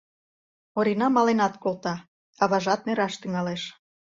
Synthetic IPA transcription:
oɾinɑmɑlenɑt̪kolt̪ɑ | ɑβɑʒɑt̪̚neɾɑʃt̪yŋɑleʃ

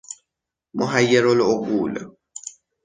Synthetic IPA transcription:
mɔɦajːɛɾɔlɔok̬uːla̰

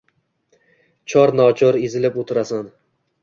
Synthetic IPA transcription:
t͡ʃʰɒɾnɒt͡ʃʰɒɾezɪlɪpot̪ʰɪɾasan

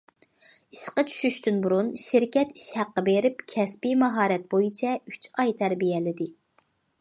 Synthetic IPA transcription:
iʃqɑt͡ʃʰy̥ʃyʃt̪ynbuɾunʃiɾkʲɛt̪i̥ʃhæqːəbeɾɪpkʲʰɛspimɑɦɑːɾɛt̪̚bojit͡ʃʰɛy̥t͡ʃʰɑjt̪ʰæɾbijɛlɪd̪ɪ

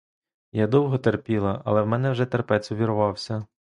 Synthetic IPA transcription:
jad̪ɔwɦɔt̪erpʲilˠɐʔɐ̰lˠɛwmɛnɛwʒɛt̪erpɛt͡s̪ʲʊʋʲiɾʊʋɑwsʲɐ

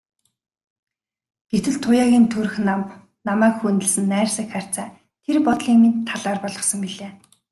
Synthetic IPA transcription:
ɡ̥et̪ɘ̆ɮt̪ʰːʊjaːɣʲiːnt̪ʰɵr̆xnam | namæːkxunt̪ɘ̆ɮsɘ̆nːæːrsə̆kχar̥ʲt͡saː | t̪ʰerpɔt̪ɮiːŋmint̪ʰːaɮaːrpɔɮʁɞ̆χsɞ̆ŋpiɮeː

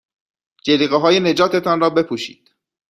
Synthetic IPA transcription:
d͡ʒeliːɣeɦɒːje̞ne̞d͡ʒɒːt̪ʰe̞t̪ʰɒnrɒːbe̞pʰuːʃiːd̪̥

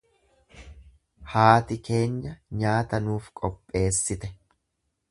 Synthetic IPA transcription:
haːt̪ɪke̞ːɲːɐɲaːt̪ɐnuːfkʼɔpʼːe̞ːsːɪt̪ɛ

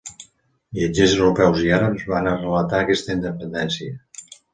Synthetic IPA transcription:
biad͡ʒezəwɾupɛwziaɾəpzβanərələt̪aəkɛst̪əind̪əpənd̪ɛnsiə

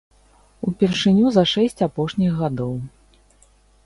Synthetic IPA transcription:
upʲɛrʂɨnʲuzɐʂɛsʲt͡sʲapɔʂnʲiɣːad̪ɔw

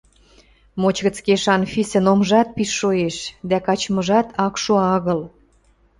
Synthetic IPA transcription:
mot͡ɕɣə̆t͡skeʃɑnfisə̆nomʒɑt̪̚piʃːoeʃd̪ækɑt͡ɕmə̆ʒɑt̪ʰɑkʃoɑɣə̆l

